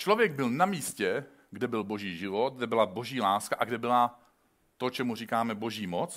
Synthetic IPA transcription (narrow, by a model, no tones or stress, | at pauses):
t͡ʃlo̞vjɛɡ̚bɪlnamiːscɛ | ɡdɛbɪlbo̞ʒiːʒɪvot̪̚ɡdɛbɪlabo̞ʒiːlaːskaʔaɡdɛbɪla | t̪o̞t͡ʃɛmur̝iːkaːmɛbo̞ʒiːmot͡s